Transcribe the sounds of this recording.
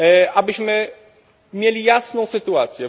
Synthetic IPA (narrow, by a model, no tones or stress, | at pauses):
ʔabɘɕmɘ | mʲjelʲijasnɔ̃w̃sɘt̪uat̪sʲjɛ